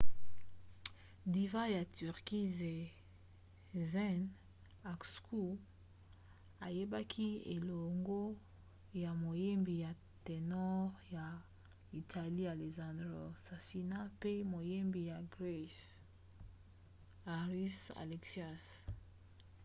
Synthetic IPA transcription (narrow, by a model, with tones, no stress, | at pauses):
di˨va˦ja˨ty˨ʁki˦ze˨ | zɛ˦n | a˨ksku˦ | a˨je˦ba˦kʰi˦ḛ˨lo˨ŋɡo˦ | ja˨mo˨je˦mbi˨ja˨ | te˨nɔ˦ʁja˨ | i˨tʰa˨li˦a˨le˨zã˨ndʁo˨sa˨si˨na˦pe˦mo˨je˦mbi˨ja˨ɡʁe˦s | a˨ʁi˦sa̰˨le˨ksa˦˨s